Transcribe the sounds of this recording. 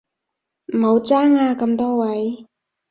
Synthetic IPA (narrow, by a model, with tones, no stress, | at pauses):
m̩˨˩ho˨˧wt͡saː˥ŋaː˧kɐ˧mt̪ɔː˥wɐ˨˦j